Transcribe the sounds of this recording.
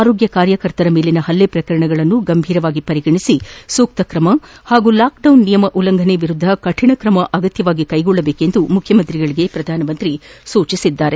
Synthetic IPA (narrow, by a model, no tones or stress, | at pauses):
aːɾo̞ːɡjɐkaːɾjɐkɐɾt̪ɐɾɐmeːlinɐhɐlːepɾɐkɐɾɐɳɐɡɐɭɐnːuɡɐmbʱiːɾɐʋaːɡipɐɾiɡɐɳisisuːk̚t̪ɐkɾɐmɐhaːɡulaːk̚ɖɐwnːijɐmɐʔulɐŋɡʱɐneʋiɾud̪ʱːɐkɐʈʰiɳɐkɾɐmɐʔɐɡɐt̪jɐʋaːɡikɐjɡɔɭːɐbe̞ːke̞nd̪umukʰjɐmɐnt̪ɾiɡɐɭiɡe̞pɾɐd̪ʱaːnɐmɐnt̪ɾisuːt͡ʃisid̪ːaːɾe̞